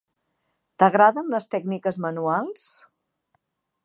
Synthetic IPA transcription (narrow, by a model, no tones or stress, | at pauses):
t̪əɣɾaðənləst̪ɛɡnikəzmənualˠs